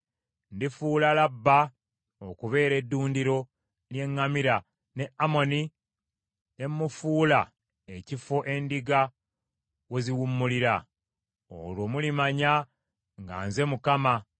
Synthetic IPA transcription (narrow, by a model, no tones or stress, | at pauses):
ndifuːlalabːa | okuβe̞ːɾe̞dːuːndiɾo̞ | lje̞ŋːamiɾa | ne̞amo̞ni | e̞mːufuːla | ecifo̞ʔe̞ndiɡa | weziwumːuliɾa | o̰lwo̞ːmulimaɲa | ŋɡa̰ːnze̞mukama